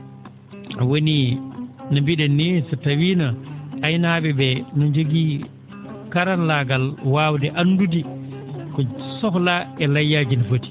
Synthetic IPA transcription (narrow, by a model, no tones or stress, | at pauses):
woni | nabiɗɛnːisatawiːnaajnabɛbɛnɔɲd͡ʒoɡi | kaɾanlaɡalwaːwdɛʔanːdudi | kɔsɔklaɛlajːad͡ʒinfoti̥